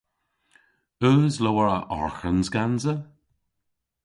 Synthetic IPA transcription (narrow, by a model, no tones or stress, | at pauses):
əːzləwəɹəʔɔ̰ɹxənzɡanzə